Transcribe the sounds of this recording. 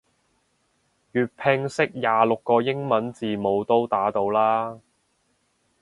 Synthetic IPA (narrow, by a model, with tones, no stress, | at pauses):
jyː˨t̚pʰɪ˧ŋsɪ˥k̚jaː˨˩lʊ˨kːɔː˧jɪ˥ŋmɐ˨˥nt͡siː˨mo˨˧wt̪o˥wt̪aː˨˥t̪o˧wlaː˥